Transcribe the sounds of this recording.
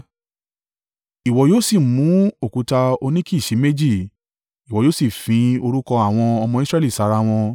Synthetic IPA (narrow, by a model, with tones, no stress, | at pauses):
i˨wɔ˨joː˦si˦˨mũ˨˦o˦˨ku˨˦ta˧o˧nĩ˦ki˦i˨ʃe˨˦me˦d͡ʒi˦˨ | i˨wɔ˨joː˦si˦˨fĩ˨˧o˧ɾu˦kɔ˧a˦˨w̃ɔ̃˧ɔ˧mɔ̃˧i˦sɾɛ˦li˦˨sa˨˦˧ɾa˧w̃ɔ̃˧